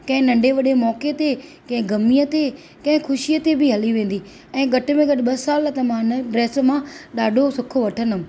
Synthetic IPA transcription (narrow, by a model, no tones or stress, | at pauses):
kɐ̃ɦɪ̃nɐ̃ɳɖʱeʋɐɗemɔːket̪e | kɐ̃ɦɪ̃ɡɐmijət̪e | kɐ̃ɦɪ̃xʰʊʃijət̪ebʱɪɦɐliʋẽːn̆d̪i | ɛ̃ːɡɐʈ̆mẽɡɐɗɪ̆ɓɐsaːlt̪ɐmãnəɖɾɛːsmãɗaːɖʱosʊkʰoʋɐʈʰənʊm̆